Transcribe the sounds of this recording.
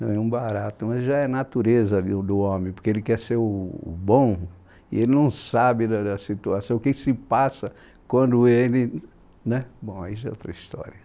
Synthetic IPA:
nɐ̃w̃ɛũbaɾat̪ʊmɐzʒaɛnat̪uɾezɐd̪ʊd̪ʊõmẽj̃poɾkeelɪkɛɾseɾʊ̰ːbõw̃ | ɪ̰elɪnɐ̃w̃sabɪd̪ɐd̪ɐsit̪uasɐ̃w̃ʊkekɪ̥sɪpasɐ | kwɐ̃nd̪ʊelɪ | nɛbõw̃a̰iʒaɛ̰o̰t̪ɾɐist̪ɔ̰ɾiɐ

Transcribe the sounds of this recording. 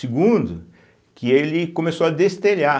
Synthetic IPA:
ɪɡũd̪ʊ | kʰɪelɪkõmesoɐd̪est̪eʎa

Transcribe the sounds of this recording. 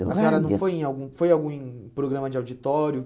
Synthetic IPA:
ɐsĩaɾɐnɐ̃w̃fojẽj̃awɡũfojawɡũẽpɾoɡɾɐ̃mɐd͡ʒɪawd͡ʒit̪ɔɾjʊ

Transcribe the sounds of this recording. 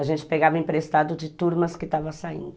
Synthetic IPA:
ɐʒẽnt͡ʃɪ̥peɡavɐẽpɾest̪ad̪ʊd̪ɪt̪uɾmɐskɪt̪avɐsaḭ̃nd̪ʊ

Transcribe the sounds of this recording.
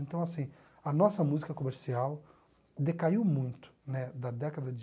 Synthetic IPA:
ẽnt̪ɐ̃w̃asĩ | ɐnɔsɐmuzikɐkomeɾsiaw | d̪ekaiwmũj̃t̪ʊ̥nɛd̪ɐd̪ɛkɐd̪ɐd͡ʒ

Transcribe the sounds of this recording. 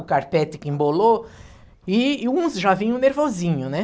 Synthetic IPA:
ʊkaɾpɛt̪ɪkɪĩmbolo | ɪũsʒavĩɲʊ̃neɾvozĩɲʊnɛ

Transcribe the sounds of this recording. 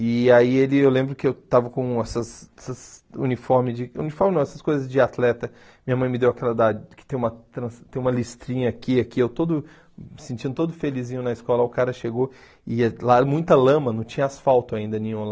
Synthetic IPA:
ɪaielɪewlẽmbɾʊkɪewt̪avɐkõɛsɐsɛsɐzṵnifɔɾmɪd͡ʒɪṵnifɔɾmnɐ̃ɛsɐskojzɐzd͡ʒɪat̪lɛt̪ɐ | mĩɲɐmɐ̃j̃mɪd̪ewakɛlɐd̪ad͡ʒɪkɪ̥t̪ẽj̃umɐt̪ɾɐ̃st̪ẽj̃ũmɐlist̪ɾĩɲɐːkiakiewt̪od̪ʊ | mɪsẽnt͡ʃ̪ĩnd̪ʊt̪od̪ʊfelizĩɲʊnɐiskɔlɐʊkaɾɐʃeɡo | ɪlamũj̃t̪ɐlɐ̃mɐnɐ̃w̃t͡ʃĩɲɐasfawt̪ʊaĩnd̪ɐnẽɲũl

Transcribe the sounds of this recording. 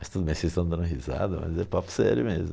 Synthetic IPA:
mɐst̪ud̪ʊbẽj̃sest̪ɐ̃d̪ɐ̃nʊɦiza̰d̪ʊmɐ̰zɛpop̪ʊ̥sɛɾjʊmezmʊ

